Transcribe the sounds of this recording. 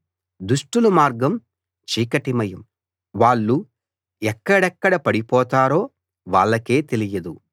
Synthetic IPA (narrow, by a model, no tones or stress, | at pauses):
d̪uʂʈulumaːɾɡɐm | t͡ʃiːkɐʈimɐjɐm | ʋaːɭːu | ɛkːɐɽɛkːɐɽɐpɐɽipɔːt̪aːɾo̞ː | ʋaːɭːɐke̞ːt̪elijɐd̪u